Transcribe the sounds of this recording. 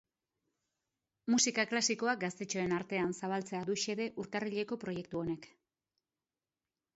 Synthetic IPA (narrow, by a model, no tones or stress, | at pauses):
musikaklasiko̞ak̚ɡast̪e̞t͡ʃo̞e̞naɾt̪e̞ansaβ̞alt͡se̞aðuʃe̞ðe̞ʔuɾk̪ariʎe̞ko̞pɾo̞je̞k̚t̪uo̞ne̞k